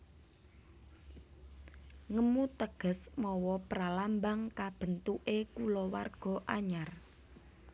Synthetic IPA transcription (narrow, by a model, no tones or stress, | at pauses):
ŋəmut̪əɡ̥ə̤smɔwɔpɾalambaŋkab̥ə̤nt̪uʔekulɔwa̰rɡ̥ɔ̤ʔaɲar